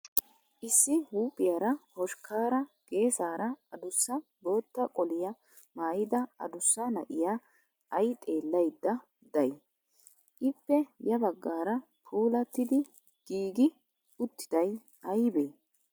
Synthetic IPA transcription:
ʔɪsːɪhuːpʼːɪjaɾɐhɔʃkʰaːɾɐɡ̥e̞ːsaːɾɐɐd̪ʊsːɐbo̞ːt̪ːɐkʼɔlɪjɐ | maːjɪd̪ɐɐ̰d̪ʊsːɐnɐ̰ʔɪja | ɐjt̪ʼe̞ːlːɐjd̪ːɐ | d̪ɐj | ʔɪpːɛjɐbɐɡːaːɾɐ | pʰuːlɐt̪ːɪd̪ɪ | ɡ̥iːɡɪ | ʊt̪ːɪ̥d̪̥ɐj | ɐjbeː

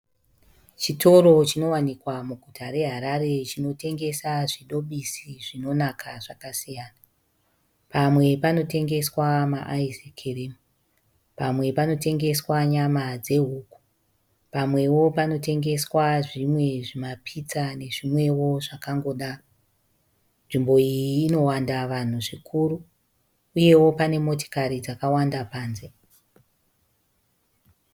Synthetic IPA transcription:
t͡ʃitʰo̞ɾo̞t͡ʃino̞wanikwamuɡʱutʰaɾe̞ɦaɾaɾe̞t͡ʃino̞te̞ŋɡe̞saʐiɗo̞ɓisiʐino̞nakʰaʐakasijaːna | pamwe̞pano̞te̞ŋɡe̞swamaʔaisekʰereːmu | pamwe̞pano̞te̞ŋɡe̞swaɲamad͡ze̞ɦuːku̥ | pamwe̞wo̞pano̞te̞ŋɡe̞swaʐimwe̞ʐimapʰit͡sane̞ʐimwe̞wo̞ʐakaŋɡo̞ɗaro | nʐimbo̞iiiːno̞wandaʋan̤uʐikʰuɾuː | je̞wo̞pane̞mo̞to̥kaɾid͡zakawandapaːnze

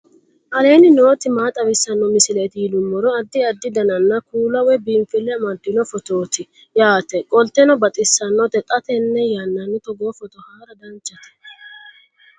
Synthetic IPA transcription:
ʔɐle̞ːnɪno̞ːt̪ɪmaːt̪ʼɐwɪsːɐnːɔmɪsɪlet̪ɪjɪlʊmːɔɾɔɐd̪ːɪɐd̪ːɪd̪ɐnɐnːɐkuːlɐwɛbiːmfɪlːɛɐmɐd̪ːɪnɔfɔt̪oːt̪ɪ | jaːt̪ɛkʼɔlt̪ɛnɔbɐt̪ʼɪsːɐnːɔt̪ɛt̪ʼɐt̪ɛnːɛjanːɐnːɪt̪ɔɡoːfɔt̪ɔhaːɾɐd̪ɐnt͡ʃːɐt̪ɛ̥

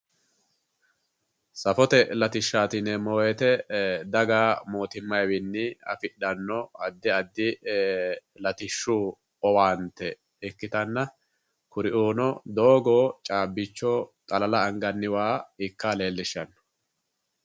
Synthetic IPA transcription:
sɐfɔt̪ɛlɐt̪ɪʃːaːt̪ɪnɛmoːjɛt̪ɛd̪ɐɡaːmo̞ːt̪ɪmːɐjwɪnːɪɐ̰fɪɗɐnːɔɐd̪ːɪɐd̪ːɪ | lɐt̪ɪʃːuː | ɔwaːnt̪ːɛ | ɪkːɪt̪ɐnːɐ | kʊɾɪʔuːnɔd̪o̞ːɡoːt͡ʃʼaːbːɪt͡ʃːɔt̪ʼɐlɐlɐɐŋɡɐnːɪwaːɪkːaːle̞ːlːɪʃːɐnːɔ̥

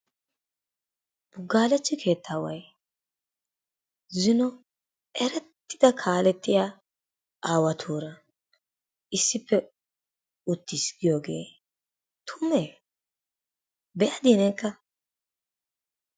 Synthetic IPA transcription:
b̥ʊɡːaːlɛt͡ʃːɪkʰe̞ːt̪ːaːwɐj | zɪnɔ | ɛɾɛt̪ːɪd̪ɐkʰaːlɛt̪ːɪjaː | ʔaːwɐt̪ʰuːɾɐ | ʔɪsːɪpːɛ | ʊt̪ːisɡɪjoːɡe̞̰ː | t̪ʰʊmːe | bɛʔɐd̪iːnɛkːɐ

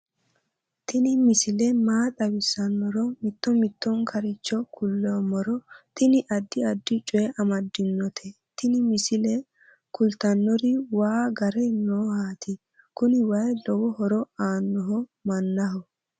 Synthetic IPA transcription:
t̪ɪnɪmɪsɪlɛmaːt̪ʼɐwɪsːɐnːɔɾɔmɪt̪ːɔmɪt̪ːɔŋkʰɐɾɪt͡ʃːɔkʰʊlːɔmɔɾɔt̪ɪnɪʔɐd̪ːɪɐd̪ːɪt͡ʃʼɔɛʔɐmɐd̪ːɪnːɔt̪ʰɛ | t̪ɪnɪmɪsɪlɛ | kʊlt̪ɐnːɔɾɪwaːɡɐɾɛnoːhaːt̪ɪ | kʊnɪwɐjlɔwɔhɔɾɔaːnːɔɦɔmɐnːɐɦɔ

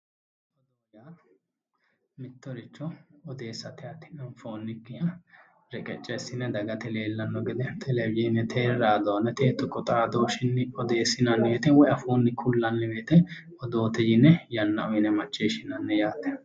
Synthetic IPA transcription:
d̪ɔd̪ɔɐjaː | mɪt̪ːɔɾɪt͡ʃːɔɔd̪e̞ːsːɐt̪ɛɐt̪ːɪ̥nɐnfoːnːɪkːɪhɐ | ɾɛkʼɛt͡ʃʼːɛɪsɪnːɛd̪ɐɡɐt̪ɛleːlːɐnːɔɡɪd̪ɛt̪ʰɛlɛbɪjɛnːɛt̪ʰeːɾɾaːd̪ɔwɐnːɛt̪eːt̪ːɔkɔt̪ʼad̪o̞ːʃɪnːɪɔd̪e̞ːsːɪnɐnːɛbeːt̪ɛwɔjɐfoːnːɪkʰʊlːɐnːɛbeːt̪ɛ | ɔd̪o̞ːt̪ɛjɪnːɛjɐnːɐʔɔjɪnɛmɐt͡ʃːeːʃɪnɐnːɛjaːt̪ːɛ

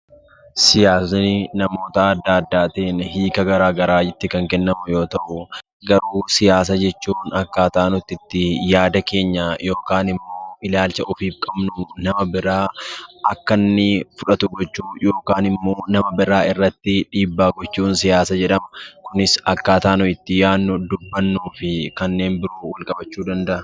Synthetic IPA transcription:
sɪjaːsnɪnɐmo̞ːt̪ɐːd̪ːaːd̪ːaːt̪iːnhiːkɐɡɐɾaːɡɐɾaːd͡ʒɪt̪ːɪkɐŋkɛnːɐmʊjo̞ːt̪ɐʔʊ | ɡɐɾuːsɪjaːs̬ɐd͡ʒɛt͡ʃːuːnɐkːaːt̪aːnʊt̪ːɪt̪ːɪjaːd̪ɐke̞ːɲːaːjo̞ːkaːnɪmːo̞ːɪlaːlt͡ʃɐʔɔfiːfkʼɐbnʊnɐmɐbɪɾaːɐkːɐnːɪfʊᶑɐt̪ʊɡɔt͡ʃːuːjo̞ːkaːnɪmːo̞ːnɐmɐbɪɾaːɪrːɐt̪ːɪᶑiːbːaːɡɔt͡ʃːuːnsɪjaːsɐd͡ʒɛᶑɐmɐkʊnɪsɐkːaːt̪aːnʊɪt̪ːɪjaːnːʊd̪ʊbːɐnːuːfɪkɐnːe̞ːnbɪɾuːwɐlkʼɐbɐt͡ʃːuːd̪ɐnd̪ɐʔɐ

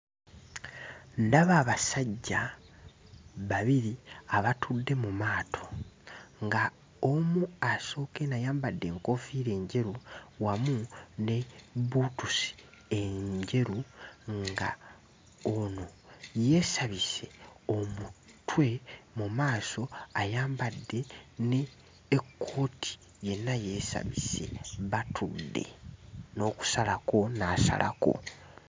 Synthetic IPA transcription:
ndaβaːβasaɟːa | βaβiɾiaβatʰudːe̞mumaːtʰo̞ | ŋɡa | omuaso̞ːke̞najaːmbadːe̞ːŋko̞fiːɾe̞ːɲɟe̞ɾuwamune̞βuːtusi̥ | e̞ɲɟe̞ɾuŋɡa̰ | ono̞je̞ːsaβise̞o̞mutwe̞mumaːso̞ajaːmbadːe̞neː | kʰːo̞ːtʰi̥ | je̞nːaje̞ːsa̰βḭse̞̰βatʰudːe̞̰no̞ːku̥salako̞naːsa̰la̰ko̞̰

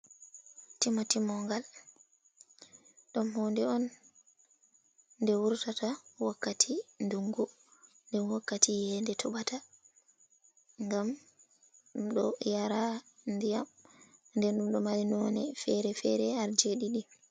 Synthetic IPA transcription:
timatimɔŋɡal | ɗɔnɦɔndɛɔn | ndɛwuɾtatawakːatʰinduŋɡu | ndɛnwakːatʰijɛndɛtʰɔɓata | ŋɡam | ɗɔjaɾandijamndɛnɗumɗɔmalinɔnɛfɛɾɛfɛɾɛaɾd͡ʒeɗiɗi

